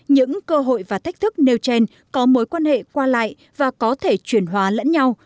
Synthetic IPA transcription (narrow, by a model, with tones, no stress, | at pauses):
ɲɨ̰˧˥ŋkəː˧ɦo̰˧˨jvaː˨˩t̪ʰk̟̚t̪ʰɨ˦˥k̚ne˧wt͡ɕe˧n | kɔ˨˦mo˨˦jkwaː˧nhḛ˧˨kwaː˧la̰ː˧˨j | vaː˨˩kɔ˨˦t̪ʰe˧˩t͡ɕwi˧˩ənɦwaː˨˦lə̰˧˥nɲa˧w